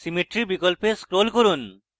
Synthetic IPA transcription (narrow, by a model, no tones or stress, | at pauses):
simeʈɾibikolpeskɾolkoɾun